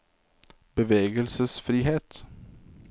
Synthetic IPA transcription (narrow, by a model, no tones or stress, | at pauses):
bɛveːɡəlsəsfɾiːɦeːt̪